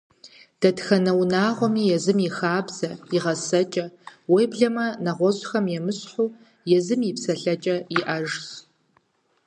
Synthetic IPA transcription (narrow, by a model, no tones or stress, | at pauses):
d̥ɐtxɐnɐwnaːʁʷɔmiːjɛzɨmixaːbz̥ɐiʁɐsɐt͡ʃʼɐwejbɮɐmɐnɐʁʷɔʑʼxɐmjɛmɨɕħʷuː | jɛzɨmipsɐɬɐt͡ʃʼɐiʔɐʒs